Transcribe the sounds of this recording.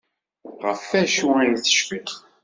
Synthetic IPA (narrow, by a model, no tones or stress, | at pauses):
ʁəfːæʃuæθə̥ʃfiq